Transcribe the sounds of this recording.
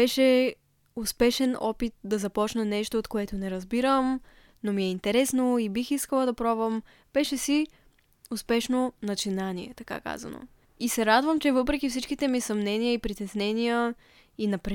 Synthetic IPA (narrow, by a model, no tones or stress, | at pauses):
bɛʃɛ | ʊspɛʃɛnɔ̰pit̪̚d̪ɐzɐpɔt͡ʃnənɛʃt̪oːt̪koɛt̪onɛɾɐzbiɾəm | nomiɛint̪ɛɾɛsnoibixiskəlˠəd̪ɐpɾɔvəm | b̥ɛʃɛsi | ʊspɛʃnonɐt͡ʃinaniɛ̰t̪ɐka̰ka̰zɐ̰no̰ | isɛɾad̪vəmt͡ʃɛvɤpɾɛkifsit͡ʃkit̪ɛmisɐmnɛnijəipɾit̪ɛsnɛnijə | inɐpɾɛ